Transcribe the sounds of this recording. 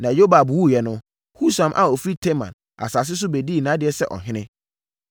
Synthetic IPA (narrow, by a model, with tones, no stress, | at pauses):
nã˨jo˦ba˨bwu˦˨jɛ˨nʊ̃˦ | hu˦sã˨mʔa̰˨ɔ˨fɾi˦tʰe˦mã̰˨n | a̰˨sa˨s̬ɪ˦s̬ʊ˦be˨di˦˨nã˦dɪ˨ɛ˦sɛ̰˦ʔɔ̰˨ɦɪ̃˦nɪ̃˦